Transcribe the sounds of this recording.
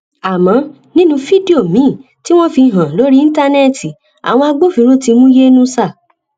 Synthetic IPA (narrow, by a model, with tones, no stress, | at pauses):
a˨mã˨˦ | nĩ˦nũ˧fi˦di˦o˦˨mĩ˨˦˨ | ti˦w̃ɔ̃˦fi˧ɦã˨lo˨˦ɾi˦ĩ˦ta˦nɛ˦˨ti˨ | a̰˨w̃ɔ̃˧a˧ɡ͡bo˦fĩ˨˧˦ɾ̃ũ˦ti˧mũ˦je˦nũ˦sa˦˨